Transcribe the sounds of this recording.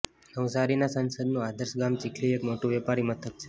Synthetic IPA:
nəʋsaɾinasənsəd̪nũad̪əɾsɡamt͡ʃikʰliekmoʈũʋɛpaɾimət̪ʰək̚t͡ʃʰe̥

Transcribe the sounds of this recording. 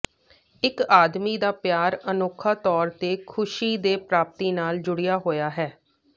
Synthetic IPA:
ɪkaːd̪miːd̪aːpjaːɾənoːkʰaːt̪ɔːɾt̪eːkʰʊʃiːd̪eːpɾaːp̚t̪iːnaːld͡ʒʊɽɪjaːɦoːjaːɦɛː

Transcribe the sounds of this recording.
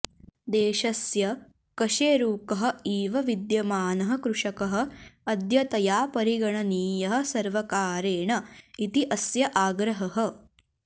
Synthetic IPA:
d̪eːʃɐsjɐ | kɐʂeːɾuːkɐɦɐ̆iːʋɐʋid̪jɐmaːnɐɦɐ̆kɾuʂɐkɐɦɐ̆ɐd̪jɐt̪ɐjaːpɐɾiɡɐɳɐniːjɐɦɐ̆sɐɾʋɐkaːɾeːɳɐit̪iʔɐsjɐʔaːɡɾɐɦɐɦɐ̆

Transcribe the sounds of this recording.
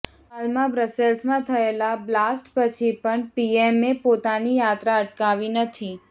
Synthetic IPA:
ɦalmãbɾəselsmãt̪ʰəelablasʈpət͡ʃʰipəɳpiemepot̪anijat̪ɾaəʈkaʋinət̪ʰi

